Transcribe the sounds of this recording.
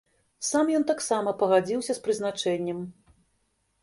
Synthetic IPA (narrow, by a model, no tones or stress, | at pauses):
samjɔnt̪aksamɐpɐɣad͡zʲiwsʲɐspɾɨzn̪at͡ʂɛnʲːɛm